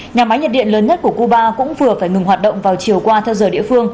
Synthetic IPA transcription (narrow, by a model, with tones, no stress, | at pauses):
ɲaː˨˩ma˨˦jɲə˨˩t̚ɗḭ˧˨nləː˨˦nɲə˦˥t̚ku˧˩əku˧ɓaː˧kʊ̰˧˥ŋ͡mvɨ˨˩əfaː˧˩jŋɨ˨˩ŋɦwaː˨˩t̚ɗə̰˧˨ŋ͡mvaː˨˩wt͡ɕi˨˩əwkwaː˧t̪ʰɛ˧wzəː˧˩ɗḭ˧˨əfɨ˧əŋ